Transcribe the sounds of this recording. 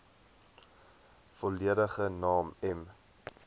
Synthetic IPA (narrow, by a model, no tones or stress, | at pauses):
fɔliəɾəχənɑːmɛm